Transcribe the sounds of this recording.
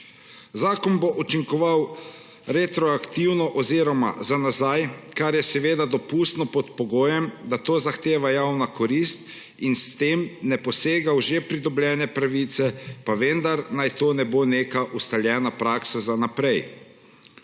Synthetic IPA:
zaːkɔnboʔut͡ʃiŋkɔʋaw | ɾɛt̪ɾɔakt̪iwnɔʔɔziɾɔma̰zanazajkaɾjɛsɛʋeːd̪ad̪ɔpuːst̪nɔpɔt̪pɔɡoːjɛmd̪at̪oːzaxt̪eːʋajawnakɔɾist̪̚ | inst̪emnɛpɔseːɡawʒepɾid̪ɔblʲjɛːnɛpɾaʋiːt̪sɛpaʋend̪aɾnajt̪oːnɛboːneːkaʔust̪aljɛːnapɾaːksazanapɾɛj

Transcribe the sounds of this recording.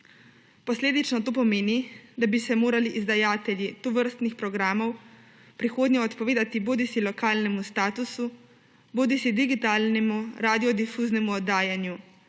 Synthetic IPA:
pɔsleːd̪it͡ʃnɔt̪oːpɔmeːnid̪abisɛmoːɾaliʔizd̪ajaːt̪ɛljit̪ɔʋəɾst̪nixpɾɔɡɾaːmɔw | pɾixoːd̪ɲɛɔt̪pɔʋeːd̪at̪iboːd̪isilɔkaːlnɛmust̪aːt̪usu | boːd̪isid̪iɡit̪aːlnɛmuɾad̪iɔd̪ifuːznɛmuɔd̪aːjanju

